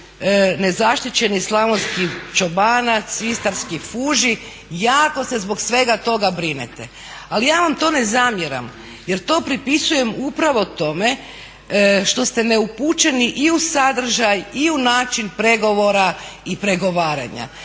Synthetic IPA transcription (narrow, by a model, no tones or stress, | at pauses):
ne̞zaʃt̪it͡ɕe̞nislˠamonskit͡ʃobanat̪sist̪aɾskifuːʒi | jaːko̞se̞zbo̞ksʋe̞ɡat̪o̞ɡabɾinḛt̪ḛ | alijaːʋamt̪o̞ːne̞zamjeɾa̰m | jeɾt̪o̞ːpɾipisuje̞mupɾaʋo̞t̪o̞me | ʃt̪o̞st̪eneuput͡ʃe̞niʔiusad̪r̩ʒajiunaːt͡ʃinpɾe̞ɡo̞ʋo̞ɾaipɾe̞ɡo̞ʋaːɾa̰ɲa̰